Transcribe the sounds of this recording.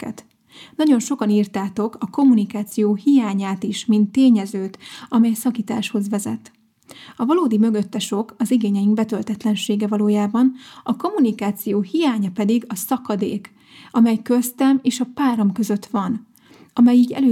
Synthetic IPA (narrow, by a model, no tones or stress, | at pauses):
ɛ̰t̪ | nɒɟo̞nʃo̞kɒniːrt̪aːt̪o̞kɒko̞mːunikaːt̪sijoːhijaːɲaːt̪iʃmint̪ːeːɲɛzøːt̪ɒmɛjsɒkiːt̪aːʃho̞zʋɛzɛ̰t̪ | ɒvɒloːd̪imø̞ɡø̞t̪ːɛʃo̞kɒziɡeːɲɛjiŋɡbɛt̪ølt̪ɛt̪lɛnʃeːɡɛvɒloːjaːbɒnɒko̞mːunikaːt̪sijoːhijaːɲɒpɛd̪iɡɒsɒkɒd̪ḛːk | ɒmɛjkøst̪ɛmeːʃɒpaːɾɒmkø̞zø̞t̪ʋɒn | ɒmɛjiːɟɛ̰løː